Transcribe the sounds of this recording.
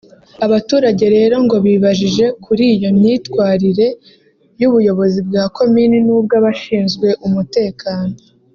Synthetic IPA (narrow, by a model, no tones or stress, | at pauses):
aβatuːɾaɟe̞ɾe̞ːɾo̞ŋɡo̞βiːβaʒiʒe̞kuɾiːjo̞mɲiːtkwaːɾiɾe̞ | juβujo̞βo̞zibɡaːkʰo̞mininuːb̚ɡaβaʃiːnzɡwe̞ʔumute̞ːkʰaːno̞